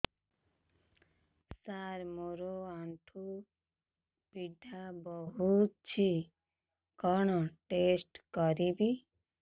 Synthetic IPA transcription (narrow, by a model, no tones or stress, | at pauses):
saɾmoɾoaɳʈʰu | piɖʱabɔɦut̪t͡ʃʰi | kɔɽ̃ɔʈesʈkɔɾibi